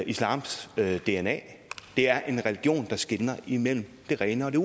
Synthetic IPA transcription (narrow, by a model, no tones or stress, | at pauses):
islɑ̰̈ːmsd̥e̝enɛ̰ | d̥e̝æɐʔe̝nʁɛliɡ̥jo̝̰ːnd̥ɑ̈sɡ̥enɐimel̰m̩d̥e̝ʁɛɪnɐɒ̽d̥e